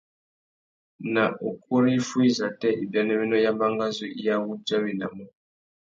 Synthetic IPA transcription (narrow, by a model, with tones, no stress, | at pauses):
na˨ʔo˨k̚u˦ɾi˦fu˦i˦za˨tɛ˦ʔi˨ba˨nɛ˦βi˦nɔ˦ja˦mba˦ŋɡa˦zu˦ʔi˦ja˦wu˦d͡ʒa˦βi˨na̰˨mɔ˦